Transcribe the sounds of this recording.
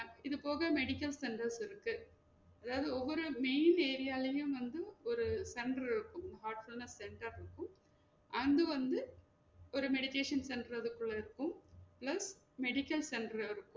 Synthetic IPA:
ɪðɯpoːɣɐmɛɽɪkːɐlsɛɳɖɐɾsɪɾɯkːɯ | ɐðaːʋɐðɯɔʋːɔɾɯmeːneːɾɪjaːlɐjɯ̃mʋɐnd̪ɯɔɾɯsɛɳɖɾɪɾɯkːɯmnɐɦaːɾʈfʊlnɐsːɛɳʈɐɾɪɾɯkːɯm | ʔɐnd̪ɯʋɐnd̪ɯ | ɔɾɯmɛɽɪʈeːʂɐnsɛnɖɾɐðɯkːɯɭːɐɪɾɯkːɯmplɐs | mɛɽɪkːɐlsɛɳɖɾɪɾɯkːɯm

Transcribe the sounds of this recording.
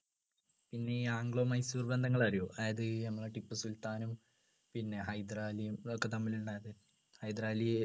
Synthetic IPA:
pinːe̞iaːŋɡɭo̞ːmɐjsuːrbend̪ʱɐŋːɐɭaːɾijoːʔajɐðɨnɐmːɐɭʈipːɨsult̪aːnum | pinːe̞ɦɐjd̪raːlijumokːe̞t̪ɐmːilɳɖaːjɐðɨ | hɐjd̪raːlije

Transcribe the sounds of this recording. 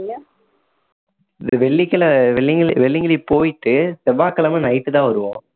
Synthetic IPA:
ɪnd̪ɐʋɛɭːɪkːɐlɐʋɛɭːɪŋɡɐɭipːoːjɪʈ̪ːɯsɛʋaːkɐlɐmɐnɐjɪt̪ːɯt̪ãːʋɐɾɯʋõ̰ː

